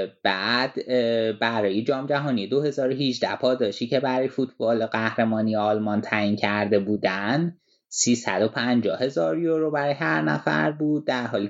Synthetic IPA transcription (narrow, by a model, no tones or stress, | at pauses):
b̥æːd̪̥bæɾɒːjed͡ʒɒːmd͡ʒæɦɒːnije̞d̪o̞he̞zɒːɾoɦid͡ʒd̪æhpʰɒːd̪ɒːʃiːcʰe̞bæɾɒːjefut̪ʰb̥ɒːlɢæhɾemɒːnijeːlmɒnt̪ʰæjincʰæɾd̪e̞buːd̪æn | siːsæ̰d̪o̞pʰænd͡ʒɒːhe̞zɒːɾjoɾobæɾɒːjeɦæɾnæ̰fæ̰ɾbuːd̪̚ːæɾɦɒːliː